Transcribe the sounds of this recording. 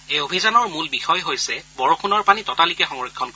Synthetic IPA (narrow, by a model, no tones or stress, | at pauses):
ejobʱizanɔɹmulbixɔjɦojsɛbɔɹokʰunɔɹpanitɔtalikɛxɔŋɹikʰːɔnkɔ